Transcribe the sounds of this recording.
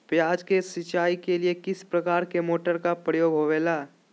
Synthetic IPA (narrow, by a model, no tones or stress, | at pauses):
pjaːd͡ʒkesɪt͡ʃaːikeliekɪspɾɐkaːɾkemoːʈəɾkapɾəjoːɡɦoːʋeːlaː